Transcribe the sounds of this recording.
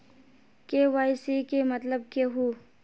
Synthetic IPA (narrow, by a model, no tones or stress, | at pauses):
keʋaːjsekemɐt̪ləb̚keɦuː